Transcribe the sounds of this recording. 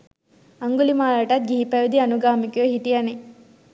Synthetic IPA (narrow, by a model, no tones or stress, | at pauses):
ɐŋɡulimaːlɐʈɐt̪̚ɡiɦipɐjud̪iɐnuɡaːmikəɦiʈijɐne